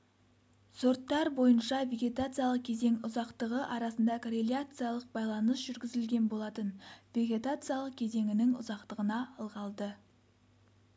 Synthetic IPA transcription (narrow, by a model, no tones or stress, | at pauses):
so̞ɾt̪ːɑɾbo̞jənʃɑve̞ɡʲe̞t̪at̪sɨjalˠəq̚kʲʰe̞ze̞ŋʊzɑqt̪əʁəʔɑɾɑsənd̪ɑkʰoɾelʲˠjat̪sɨjalˠəq̚bɑjlˠɑnəsʒ̥ʏɾɡʲɪzɪlɡʲe̞nbo̞lˠɑt̪ənvʲe̞ɡʲe̞t̪at̪sɨjalˠəq̚kʲʰe̞ze̞ŋɪnɪŋʊ̰zɑqt̪əʁənɑəlˠʁɑlˠd̪ə